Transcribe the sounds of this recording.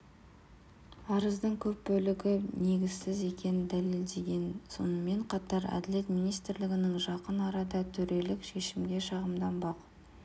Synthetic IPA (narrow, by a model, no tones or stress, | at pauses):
ɑɾəzd̪əŋkʲʰɵp̚bɵlɪɡʲɪne̞ɡʲɪz̥sɪze̞kʲe̞nɪnd̪æle̞ld̪e̞ɡʲe̞nso̞̰nəme̞ɴqʰɑt̪ɑɾæ̰d̪ɪle̞t̪mijnijst̪ɾlɪɡʲɪnɪŋʒɑqənɑɾɑd̪ɑt̪ʰʏɾe̞lɪkʃe̞ʃɪmɡʲe̞ʃɑʁəmd̪ɑnbɑq